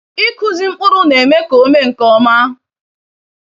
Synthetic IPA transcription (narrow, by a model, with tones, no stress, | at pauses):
ɪ˦ku˨zi˨ŋ͡m̩˦k͡pʊ˦ɾʊ˦ne˨me˦ko˦me˦ŋ̩˨kɔ˦ma˦ɦ